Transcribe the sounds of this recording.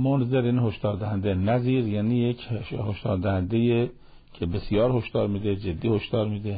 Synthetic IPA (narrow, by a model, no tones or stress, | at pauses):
monzeɾiːnhoʃd̪ɒːɾd̪æhænd̪enæziːɾjæːniːjecʰhoʃd̪ɒːɾd̪æhænd̪eje | cʰebesijɒːɾhoʃd̪̥ɒːɾmiːd̪ed͡ʒed̪ːiːhoʃd̪̥ɒːɾmiːd̪e